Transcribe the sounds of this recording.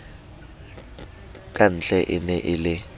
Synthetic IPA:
kʼan̩t͡ɬʼɛʔɪnɛʔɪlɪ

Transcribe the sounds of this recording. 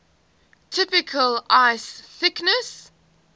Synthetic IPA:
tʰɪpɪkʰəlaɪsθɪknəs

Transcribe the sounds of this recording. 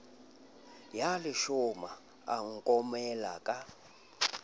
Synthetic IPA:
jalɪʃɔma | a̰ŋ̩kʼɔmɛla̰kʼa

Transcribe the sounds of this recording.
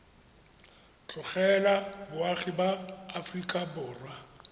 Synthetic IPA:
t͡ɬʼʊχɛlabʊaχibaːfrikʼabʊːrwa

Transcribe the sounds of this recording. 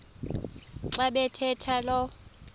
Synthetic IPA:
ǁaɓɛtʰɛtʰalɔ

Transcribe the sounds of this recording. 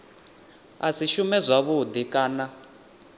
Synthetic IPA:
a̰siʃumɛzʷaβud̪ikʼaːna

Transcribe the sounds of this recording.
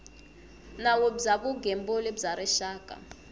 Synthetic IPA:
nawozakuɡʱɛmbɔlebzaɾɛʃaːkʼa̰

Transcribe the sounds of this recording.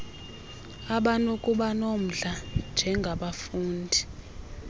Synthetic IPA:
aɓanokʼuɓanom̩ɮand͡ʒʱɛŋɡʱaɓafuːndʱi

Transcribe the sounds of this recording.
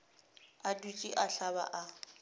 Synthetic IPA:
adut͡ʃʼiʔaɬaβa̰ʔa

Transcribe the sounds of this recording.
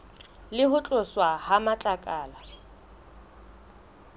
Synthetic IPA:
lɪɦʊt͡ɬʼʊswahamat͡ɬʼakʼaːla

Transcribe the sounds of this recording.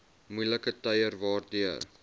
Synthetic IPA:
mujləkətɐjərvɑːrdiər

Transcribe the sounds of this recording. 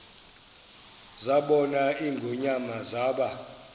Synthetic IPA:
zaɓɔnaiŋɡʱuɲamazaːɓa

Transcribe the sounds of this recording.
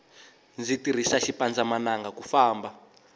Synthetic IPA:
nd͡zitir̤isaʃipand͡zamanaŋɡakufaːmba

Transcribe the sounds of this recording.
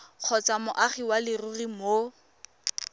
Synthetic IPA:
q͡χʰɔt͡samʊʔaχiwalɪrurimo

